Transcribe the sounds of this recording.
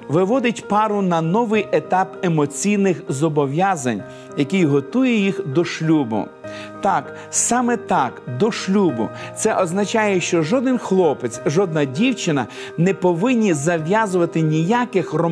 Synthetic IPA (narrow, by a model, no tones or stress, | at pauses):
ʋɪʋɔd̪ɪtʲpɑɾʊnɐnɔʋɪjet̪ɑpemɔt͡sʲijnɪxzɔbɔʋjazɐnʲ | jɐkɪjɦɔt̪ujɛjixd̪ɔʃlʲubʊ̰ | t̪ɑk | sɑmɛt̪ɑkd̪ɔʃlʲubʊ̰t̪sɛʔɔznɐt͡ʃɑjɛʃt͡ʃɔʒɔd̪ɪnxlˠɔpet͡sʲʒɔd̪nɐdʲiwt͡ʃɪnɐ | nɛpɔʋɪnʲːizɐʋʲjazʊʋɐt̪ɪnʲijakɪxrɔ